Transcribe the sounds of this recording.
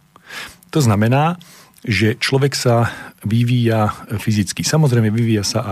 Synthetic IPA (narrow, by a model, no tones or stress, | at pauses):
t̪ɔznamɛnaː | ʒɛt͡ʃlɔʋɛksaʋiʋiːjafizit͡skisamɔzɾɛjmɲɛʋiʋiːjasaʔa